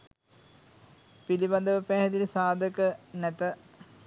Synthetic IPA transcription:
pilibɐnd̪ɐʋəpæɦɐd̪ilsaːd̪ʱəkənɛt̪ə

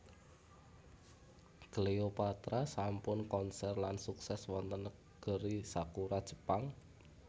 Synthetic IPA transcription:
ɡ̥əleopat̪ɾasampʊnkɔnsɛrlansuksɛswɔnt̪ənə | ɡ̥ə̤ɾisakuɾad̥ʒ̥ə̤̥paŋ

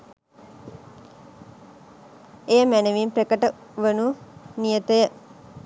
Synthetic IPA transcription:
ejəmænəʋimprekəʈə | ʋənunijət̪əjə

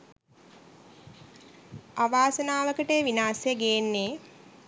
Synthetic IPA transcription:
aʋaːsənaːʋəkəʈeːʋinaːsejəɡeenːeː

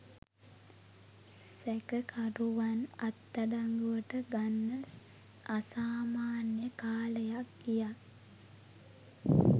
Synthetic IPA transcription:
sækəkʰaɾuʋanat̪ːaɖaŋɡuʋəʈəɡanːə | asaːmaːnjəkaːləjak̚ɡijak

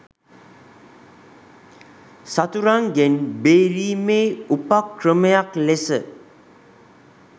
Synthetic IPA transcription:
sat̪uɾaŋɡenbeɾimeupakːɾəməjaklesə

